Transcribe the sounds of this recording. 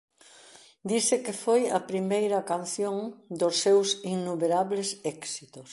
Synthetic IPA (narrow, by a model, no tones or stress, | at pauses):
d̪isɪkɪfojɐpɾimejɾɐkan̟θjoŋd̪ʊsːewsinːumeɾaβlesɛksit̪os